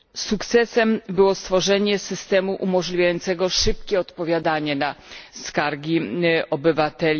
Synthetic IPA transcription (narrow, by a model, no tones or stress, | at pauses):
sukt̪sɛsɛmbɘwɔst̪fɔʐɛɲɛsɘst̪ɛmuʔumɔʐlʲivʲjajɔnt̪sɛɡɔʂɘpkʲɛɔt̪pɔvʲjad̪aɲɛnaskaɾɡʲiɔbɘvat̪ɛlʲ